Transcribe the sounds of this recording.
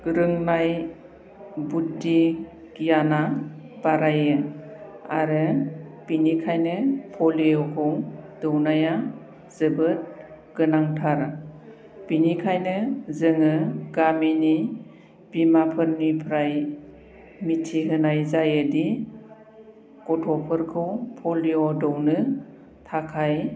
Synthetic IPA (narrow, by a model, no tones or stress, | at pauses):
ɾɯŋnaj | but̚di | ɡijanabaɾajɯ | a̰ɾɯb̥inikʰajnɯpʰɔliowkʰɔŋdɯwnaja | z̥ɯbɯt̚ɡ̥ɯnaŋtʰaɾ | b̥inikʰajnɯzɯŋɯɡamini | b̥imapʰɯɾnipʰɾaj | mitʰiɦɯnajzajɯdi | kɔtʰɔpʰɯɾkʰɯwpʰɔliɔdɯwnɯ | tʰakʰaj